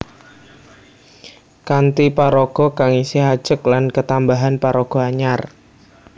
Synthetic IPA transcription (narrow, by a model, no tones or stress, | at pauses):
kant̪ipaɾɔɡ̥ɔkaŋisiɦad̥ʒ̥əklankət̪ambaɦanpaɾɔɡ̥ɔ̤aɲar